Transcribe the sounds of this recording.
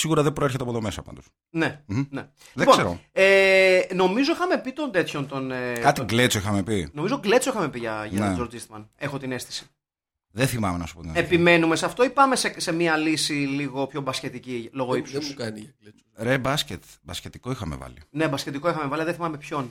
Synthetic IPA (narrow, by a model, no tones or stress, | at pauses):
siɣuɾɐðebɾoeɾçet̪eɐpot̪omesɐpɐ̰nd̪os | ne̞ne | liðeiposeɾoeno̞mizo̞ixɐme̞pit̪ond̪e̞t̪ço̞nt̪onekɐt̪iɡlet͡soixɐmepino̞mizoɡle̞t͡so̞ixɐme̞piʝɐʝɐt̪d͡ʒoɾd͡zist̪mɐne̞xo̞t̪ine̞st̪i̥si̥ | ðeθimɐmenɐsu̥po̞t̪inepime̞nume̞sɐft̪o̞ipɐme̞sese̞miɐlisiliɣo̞pço̞bɐsce̞t̪icilo̞ɣoipsɐni | ɾebɐscet̪bɐscet̪iko̞ixɐme̞̰vɐ̰lḭne̞bɐskce̞t̪iko̞ixɐme̞vɐliɐðeθimɐme̞pço̞n